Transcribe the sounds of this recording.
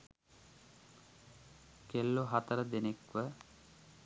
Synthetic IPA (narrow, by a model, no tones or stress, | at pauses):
kelːoɦɐt̪ɐɾəd̪enekʋə